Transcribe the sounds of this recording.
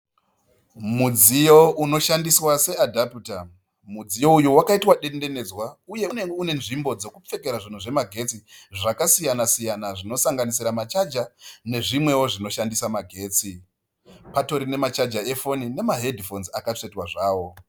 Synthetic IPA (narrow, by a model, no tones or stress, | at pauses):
mud͡zijo̞uno̞ʃandiswase̞adʱaputa | mud͡zijo̞ujuwakaitwaɗe̞nde̞ne̞d͡zwauje̞uneune̞nʐimbo̞d͡zo̞kup͡fe̞ke̞ɾaʐin̤uʐe̞maɡʱe̞t͡siʐakasijanasijanaʐino̞saŋɡanisiɾamat͡ʃad͡ʒane̞ʐimwe̞wo̞ʐino̞ʃandisamaɡʱe̞ːt͡si | pato̞ɾine̞mat͡ʃad͡ʒae̞fonine̞maɦe̞dʱfo̞nzakat͡ʂe̞twaʐaːwo̞